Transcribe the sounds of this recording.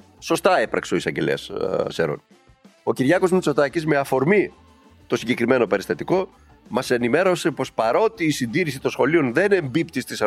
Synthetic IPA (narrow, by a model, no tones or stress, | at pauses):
so̞st̪ɐepɾɐkseoisɐɲɟelḛɐ̰sseɾo̰n | o̞ciɾʝɐko̞zmut͡so̞t̪ɐcizme̞ɐfo̞ɾmi | t̪o̞siɲɟe̞kɾime̞no̞peɾist̪ɐt̪iko̞ | mɐsenime̞ɾo̞se̞po̞spɐɾo̞t̪iːsind̪iɾisit̪o̞nsxo̞lio̞nðe̞ne̞mbipt̪ist̪isɐ